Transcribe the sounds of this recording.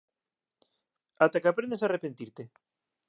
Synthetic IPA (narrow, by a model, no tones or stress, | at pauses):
at̪akeapɾẽnd̪esarepent̪iɾt̪e